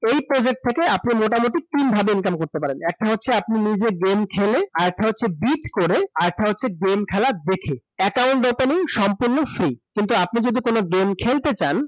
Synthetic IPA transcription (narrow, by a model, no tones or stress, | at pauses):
ejpɾod͡ʑek̚ʈ̚t̪ʰekeapnimoʈamoʈik̚t̪inbʱabeinkamkoɾt̪epaɾenɛk̚ʈaɦotːʰeapninid͡ʑeɡemkʰeleaɾek̚ʈʰaɦotːɕʰebiʈkoɾeaɾɛk̚ʈʰaɦotːɕʰeɡemkʰɛlad̪ekʰeɛkawɳʈɖopeniŋʃɔmpuɾnofɾikint̪uap̚nid͡ʑod̪ʱikonoɡemkʰelt̪et͡ɕan